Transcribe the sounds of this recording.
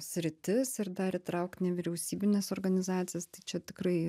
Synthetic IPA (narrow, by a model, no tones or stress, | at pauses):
sʲɾʲɪt̪ʲɪsɪɾd̪ɐɾit̪ɾɐʊkt̪nʲɛʋʲɪɾʲɛʊsʲiːbʲɪnʲɛsoːɾɡɐnʲɪzɑːt̪sʲɪjɛst̪ɐɪt͡ʃʲɛt̪ʲɪkɾɐɪ